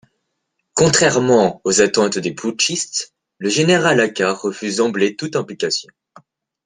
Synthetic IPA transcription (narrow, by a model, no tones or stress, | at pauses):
kɔ̃t̪χɛʁmɑ̃ozat̪ɑ̃t̪d̪epuʃist̪ | ləʒeneʁalakaʁəfyzɑ̃blet̪ut̪ɛ̃plikasjɔ̃